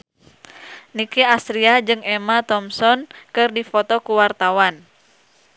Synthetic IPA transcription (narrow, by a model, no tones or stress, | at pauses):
nikiasɾiad͡ʒɨŋɛmat̪ɔmsɔnkɨrdifɔt̪ɔkuwart̪awan